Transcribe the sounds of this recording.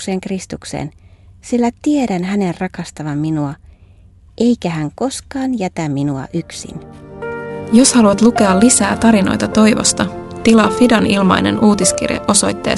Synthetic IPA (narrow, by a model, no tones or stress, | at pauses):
seːŋkrist̪uksḛːnsilːæt̪ie̞ɾænɦæne̞rrɑkɑst̪ɑʋɑmːinuɑ | ʔe̞jkæɦæŋko̞skɑːnjæt̪æmːinuɑ̰ʔyksḭn | jo̞shɑluɑt̪luke̞ɑlːisæːt̪ɑɾino̞̰jt̪ɑt̪o̞jʋo̰st̪ɑt̪ilɑːfidɑnilmɑ̰jne̞̰nuːt̪iskḭrjḛʔo̞so̞jt̪ːeː